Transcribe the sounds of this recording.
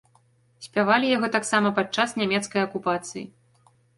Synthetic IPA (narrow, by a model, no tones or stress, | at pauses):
sʲpʲavalʲijaɣɔt̪aksamɐpat͡ʂasnʲamʲɛt̪skɐjɐkupat̪sɨjḭ